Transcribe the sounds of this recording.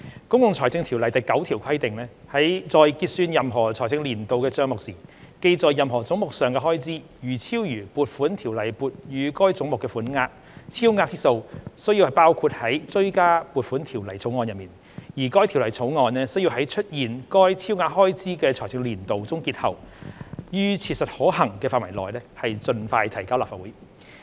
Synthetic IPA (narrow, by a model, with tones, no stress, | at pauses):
kʊ˥ŋkʊ˨ŋt͡sʰɔː˨˩jt͡sɪ˧ŋt̪ʰi˨˩wlɐ˨˩jt̪ɐ˨˩jkɐ˨˥wt̪ʰiː˨˩wkʰɐ˥jt̪ɪ˨ŋlɛː˥hɐ˨˥jt͡sɔː˨˧jkiː˧t̚syː˧njɐ˨mɦɔː˨˩t͡sʰɔː˨˩t͡sɪ˧ŋliː˨˩nt̪o˨wkɛː˧t͡sœː˧ŋmʊ˨k̚siː˨˩ke˧jt͡sɔː˨jːɐ˨mɦɔː˨˩t͡sʊ˨˥ŋmʊ˨k̚sœː˨˩ŋkɛː˧ɦɔː˥jt͡siː˥ | jyː˨˩t͡sʰiː˥wjyː˨˩puː˨t̚fuː˨˥nt̪ʰiː˨˩wlɐ˨˩jpuː˨˧t̚jyː˨˧kɔː˥jt͡sʊ˨˥ŋmʊ˨kːɛː˧fuː˨˥nŋaː˧k̚ | t͡sʰiː˥wŋaː˧t͡siː˥so˧wsɵ˥ɥji˧whɐ˨jpaː˥wkʰuː˧t̚hɐ˨˥jt͡sɵ˥ɥkaː˥pu˨t̚fuː˨˥nt̪ʰiː˨˩wlɐ˨˩jt͡sʰo˨˥wŋɔː˧njɐ˨t̚miː˨˩n | jiː˨˩kɔː˥jt̪ʰi˨˩wlɐ˨˩jt͡sʰo˨˥wŋɔː˧nlɛː˥sɵ˥ji˧wɦɐ˨˥jt͡ʃʰɵ˥t̚jiː˨˩nkɔː˥jt͡sʰiː˥wŋaː˧t̚ɦɔː˥jt͡siː˥kɛː˧t͡sʰɔ˨˩jt͡sɪ˧liː˨˩nt̪o˨wt͡sʊ˥ŋkiː˧t̚hɐ̰˨˩w | jyː˥t͡sʰiː˧t̚sɐ˨t̚hɔː˨˥ɦɐ˨˩ŋkɛː˧faː˧t̚wɐ˨˩jlɔː˨jlɛː˥hɐ˨jt͡sɵ˧nfaː˧jt̪ʰɐ˨˩jkaː˥wlaː˨˩faː˨˩wuː˨˦j